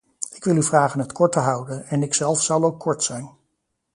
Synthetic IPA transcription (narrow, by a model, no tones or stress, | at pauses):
ɪkʋɪlˠyvraːχənɦətkʰɔɹtəɦʌwdənɛnɪksɛlˠfsɑlˠowkʰːɔɹtsɛjn